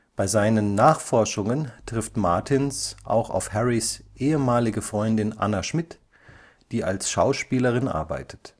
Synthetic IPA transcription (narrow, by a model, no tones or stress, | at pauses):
b̥aɪzaɪnənːaːχfɔɐʃʊŋəntʁ̥ɪftmaɐtʰɪnsʔa̰ʊxa̰ʊfhɛʁisʔeːəmaːlɪɡəfʁ̥ɔʏndɪnʔa̰naʃmɪt | d̥iːa̰lsʃaʊʃpiːləʁɪnʔa̰ɐba̰ɪtʰə̥t